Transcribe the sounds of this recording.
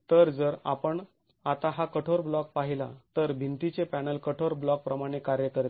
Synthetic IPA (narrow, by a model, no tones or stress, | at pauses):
t̪əɾd͡zəɾa̰pəɳ | at̪aɦakəʈʰoɾblɔk̚paɦilat̪əɾbʱint̪it͡sepænəlkəʈʰoɾblɔk̚pɾəmaɽ̃ekaɾjəkəɾt̪e̥